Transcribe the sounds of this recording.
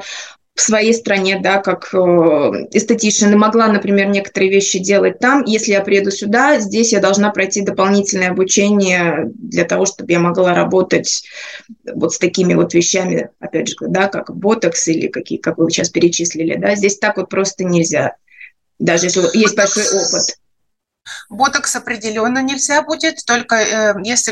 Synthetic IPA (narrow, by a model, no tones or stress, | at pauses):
fsvɐjejst̪ɾɐnʲe̞d̪akakəɪst̪ətʲiʂənəmɐɡlˠanəpɾʲɪmʲe̞rnʲe̞kə̥t̪əɾɨəvʲeɕːɪdʲe̞lˠət̚ʲt̪amjesʲlʲɪjapɾʲɪjed̪ʊsʲʊd̪azʲdʲesʲjad̪ɐlˠʐnapɾɐjtʲid̪əpɐlˠnʲitʲɪlʲnəjəɐbʊt͡ɕenʲɪjəd̪lʲət̪ɐvo̞ʂt̪o̞bɨjamɐɡlˠaɾɐbo̞t̪ətʲ | vo̞t̪st̪ɐkʲimʲɪvo̞t̪vʲɪɕːæmʲɪ̰ɐpʲædʲʐɨɡd̪akakbo̞t̪əksilʲɪ̰kɐkʲḭjkakvɨvɨɕaspʲɪɾʲɪt͡ɕisʲlʲɪlʲɪ̰d̪azʲdʲesʲt̪akvo̞t̪̚pɾo̞st̪ənʲɪlʲzʲa | d̪aʐɨjeslʲɪjesʲt̚ʲbɐlʲʂo̞jʔo̞pɨt̪ | bot̪əksɐpɾʲɪdʲɪlʲonːənʲɪlʲzʲabudʲɪt̪ːo̞lʲkəjesʲlʲɪ